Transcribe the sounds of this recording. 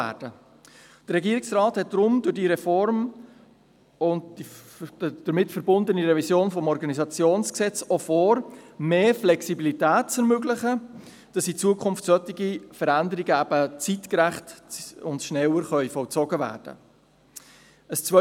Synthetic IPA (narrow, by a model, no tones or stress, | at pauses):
æ̰ːd̥ə | d̥əɾɛɡiːəiksrɑːthɛt̚d̥ɾʊmdʊɾdiːɾɛfɔɾm | ʊn | d̥əɾmɪtfəɾbʊndəniɾɛvisjoːnfɔmɔɾɡɑnizɑt͡sjoːnsksɛt͡sɔfɔːɾmeːflɛksibilitæːt̚t͡sɛɾmøɡlɪχə | d̥ɑsit͡suəkʰʊmftsœtiɡifəɾændəɾiɡəæb̥ət͡sitkɾæχtʊntʃnɛləɾχœʏfɔlt͡sɔɡəvæ̰ːɾd̥ə̰ | əst͡svœ